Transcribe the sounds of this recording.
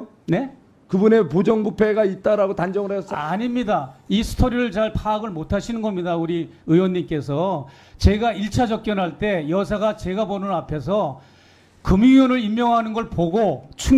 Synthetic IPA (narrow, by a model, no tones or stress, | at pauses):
ne̞ | kɯbune̞pod͡ʑʌŋɡupʰe̞ɡait̚t͈aɾaɡotand͡ʑʌŋɯɭas͈aɲimɲidaisʰɯ̥tʰoɾiɾɯɭt͡ɕaɭpʰaːɡɯɭmotʰaɕʰinɯnɡʌmɲidauɾiɯjwʌnːimk͈e̞s̬ʰʌ | t͡ɕe̞ɡaiɭt͡ɕʰad͡ʑʌk̚k͈jʌnɦaɭt͈e̞jʌs̬ʰaɡat͡ɕe̞ɡabonɯnapʰe̞s̬ʰʌ | kɯmiiwʌnɯɾimːjʌŋɦanɯnɡʌɭpoɡot͡ɕʰu